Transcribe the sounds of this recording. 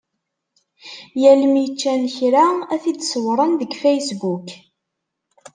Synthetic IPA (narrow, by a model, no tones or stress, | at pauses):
jælmit͡ʃːænçɾaæθid̪swɾˤənðəɡfejsbuk